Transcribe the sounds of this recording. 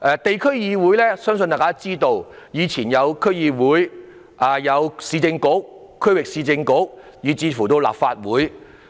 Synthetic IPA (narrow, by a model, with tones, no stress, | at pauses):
ʔɛː˨˧t̪e˨jkʰɵ˥ɥjiː˧wuː˨˥jlɛː˥sœː˥ŋs̬nt̪aː˨˩kaː˥t͡siː˥t̪o˧wjiː˨˧t͡sʰiː˨˩njɐ˨˧wkʰɵ˥ɥjiː˧wuː˨˥j | ʔaː˨jɐ˨˧wsiː˧t͡sɪ˧ŋkʊ˨˥k̚ | kʰːɵ˥ɥwɪ˨k̚siː˧t͡sɪ˧ŋkʊ˨˥k̚ | jiː˨˧t͡siː˧fuː˨˩t̪o˧wla̰ː˨p̚faː˧t̚wuː˨˥j